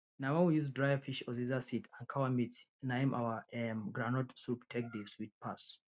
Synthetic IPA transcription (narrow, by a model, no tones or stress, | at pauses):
nawãwijuzdɹajafiʃɔzizasitãnkʰawamitɛ̃najɛ̃mʔa̰waɛmɡɹãnɔtsuptʰek̚dəswit̚pʰas